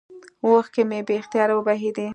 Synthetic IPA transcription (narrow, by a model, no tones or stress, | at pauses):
woxkemebext̪ijɑɾawəbaɦed̪i